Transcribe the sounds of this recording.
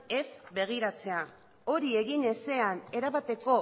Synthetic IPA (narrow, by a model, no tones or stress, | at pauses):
e̞zbe̞ɣ̞iɾat͡se̞a | o̞ɾie̞ɣine̞se̞ane̞ɾaβat̪e̞ko̞